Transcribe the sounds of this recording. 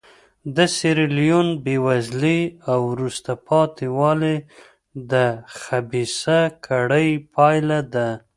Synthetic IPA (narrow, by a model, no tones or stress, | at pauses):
d̪əseɾɪlijunbewazliawɾust̪apʰɑt̪iwɑle | d̪əxabisakʰaɽəjpʰɑjlad̪a